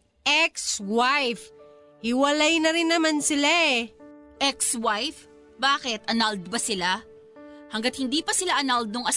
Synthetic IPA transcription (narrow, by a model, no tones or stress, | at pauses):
ʔɛkswajf | hɪwɐlajnɐɾɪnːɐmansɪlaʔɛʔɛkswajf | baːkɛt̪ʔɐnald̪bɐsɪla | hɐŋɡat̪̚hɪnd̪iːpɐsɪlaʔɐnald̪ʊŋʔɐ